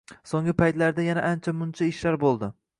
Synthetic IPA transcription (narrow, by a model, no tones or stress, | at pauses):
soŋɡɪpʰajt̪laɾd̪ajanaʔant͡ʃʰamʊnt͡ʃʰaɪʃlaɾbolˠd̪ɪ